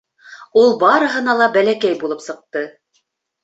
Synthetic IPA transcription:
ulˠbɑɾɤ̆ɦɤ̆nɑlˠɑbælækæjbulˠɤpsɤ̆q̚t̪ɤ

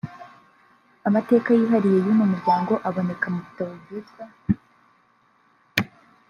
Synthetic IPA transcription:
amate̞ːkajiːɦaɾijejimumuɾɟaːŋɡo̞ʔaβo̞ne̞kamuβutaβoɡizɡwa

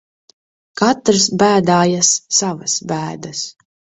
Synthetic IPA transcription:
kat̪ɾs̬bæːd̪aːjasːavasbæːd̪as

